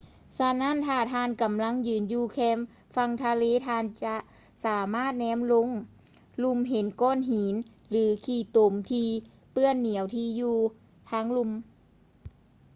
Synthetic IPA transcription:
sa˧na˧˥˨nt̪ʰaː˧˩t̪ʰaː˧nka˨˦mla˧˥ŋjɯː˨˦njuː˧kʰɛː˧˥m | fa˧ŋt̪ʰa˧leː˧˥˨t̪ʰaː˧˨nt͡ɕa˧ʔ | saː˩˦maː˥˩t̪̚nɛː˧˥mlo˧˥˨ŋ | lu˧˩mɦe˨˦nkɔː˧˥˨nɦiː˨˦n | lɯː˨˩˦kʰiː˧˩t̪o˨˦mt̪ʰiː˧ | pɯ˧˩ənːi˨˩˦əwt̪ʰiː˧juː˧ | t̪ʰaː˧˥ŋlu˧m

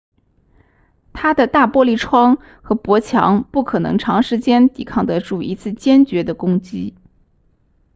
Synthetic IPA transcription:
t̪ʰa˥d̪ə˨t̪a˥˩pwɔ˥li˥˩ʈ͡ʂʰwɑ˥ŋ | xɤ˧˥pwɔ˧˥t͡ɕʰjɑ̰˧˥ŋpu˥˩kʰɤ˨˩nɤ̰˧˥ŋʈ͡ʂʰɑ˧˥ŋʂɻ̩˧˥t͡ɕjɛ˥nt̪ḭ˨˩kʰɑ˥˩ŋd̪ə˧ʈ͡ʂu˥˩ḭ˧˥t͡sʰɹ̩˥˩t͡ɕjɛ˥nt͡ɕɥɛ˧˥d̪ə˧kʊ˥ŋt͡ɕi˥

